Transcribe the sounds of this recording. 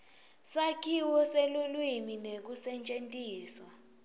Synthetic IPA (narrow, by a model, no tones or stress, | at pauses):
sakʰiwɔselulwiminek̬usɛnt͡ʃʼentʼiːswa